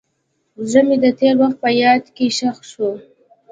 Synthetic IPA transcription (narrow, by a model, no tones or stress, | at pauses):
zəmed̪ət̪eɾwaxt̪̚pəjɑd̪keʃaxʃu